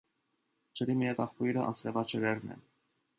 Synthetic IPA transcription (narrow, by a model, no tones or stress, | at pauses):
t͡ʃəɾimiɛt̪ɑχuiɾəʔɑ̰nt͡sɾɛvɑt͡ʃʰəɾɛɾnɛ̰